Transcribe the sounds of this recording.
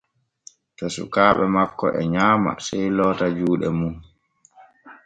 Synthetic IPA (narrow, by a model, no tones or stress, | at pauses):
tɔsṵkaːɓɛmakːɔʔɛɲaːma̰sɛjlɔːtad͡ʒuːɗɛmun